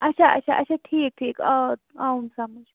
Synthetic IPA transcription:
ɐt͡ʃʰaʔɐ̰t͡ʃʰa̰ʔɐ̰t͡ʃʰaʈʰiːk̚ʈʰiːkʌaunsɐmɐd͡ʒ

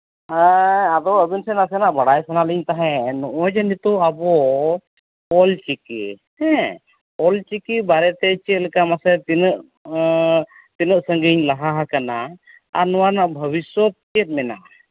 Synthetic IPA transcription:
aad̪ɔəbinsɛnasɛnaʔbaɽajsanaliɲt̪aɦɛ̃nɔʔɔd͡ʒɛnit̪ɔabɔ | ɔlt͡ʃikḭhɛ̃ | ɔlt͡ʃikibaɾɛt̪ɛt͡ʃɛt̪̚lɛkamasɛt̪inəʔ | t̪inəʔsəŋɡiɲlaɦaɦakana | a̰ɾnɔwanaʔbʱəβiswɔt̪̚t͡ʃɛt̪̚mɛna̰

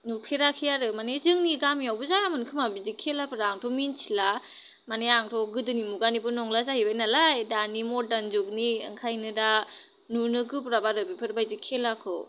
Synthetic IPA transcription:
nupʰeɾakʰijaɾɯmanezɯŋniɡamiawbɯzaamɯnkʰɯmabizikʰːelapɯɾaːŋtʰɔminsʰila | maneaŋtʰɔɡɯdɯnimuɡanibɯnɔŋlazahibajnalajdanimɔdanzuk̚niɯ̰ŋkʰajnɯda | nunɯkɯpɾabaɾɯbipʰɯɾbajzikʰelakʰɔ̰

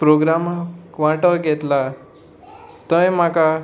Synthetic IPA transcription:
pɾoɡɾamaʋaʈəɡʱet̪la | t̪ə̃jmaka

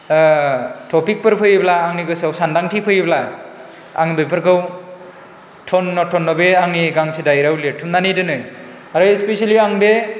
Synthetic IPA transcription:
tʰɔpik̚pɯɾpʰɯjblaːŋniɡɯsawsandaŋtʰipʰɯjbla | a̰ŋbepʰɯɾkʰɯw | tʰɔnːɔtʰɔnːɔbeaŋniɡaŋsʰedajɾawletʰːumnanidɯnɯ | aɾɯespesaliaŋbe

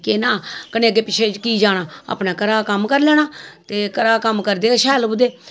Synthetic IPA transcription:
kenãːkəneːkeːpɪt͡ʃʰeːkiːd͡ʒaːɽaːa̰ːpnaːkəɾaːkəmkəɾlɛːɽ̃aːt̪eːkəɾaːkəmkəɾd̪eːʃɛːlbʊd̪eː

